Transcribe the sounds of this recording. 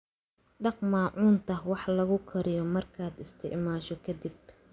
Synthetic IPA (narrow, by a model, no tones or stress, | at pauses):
ɖɑqmaːʕuːnt̪ʰɐwɑħlɐɣʊkʰɐɾɪjɔmɐrkʰaːd̪ɪst̪ʰɪʕmaːʃɔkʰɐd̪ib